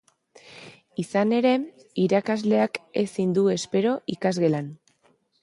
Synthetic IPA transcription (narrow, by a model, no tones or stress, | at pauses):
isane̞ɾe̞ | iɾakazle̞ake̞sind̪ue̞spe̞ɾo̞ʔikazɣe̞lan